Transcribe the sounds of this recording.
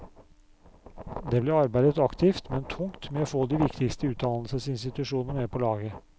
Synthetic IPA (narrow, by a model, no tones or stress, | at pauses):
d̪ɛblɪɑɾbæɪd̪ət̪ɑkt̪ʰɪft̪mɛnt̪ʰʊŋt̪mɛofoːd̪iːʋɪkt̪ɪkst̪əʉːt̪̚d̪ɑnl̩səsɪnst̪ɪt̪ʉʂuːnəmeːpʰɔlɑːɡə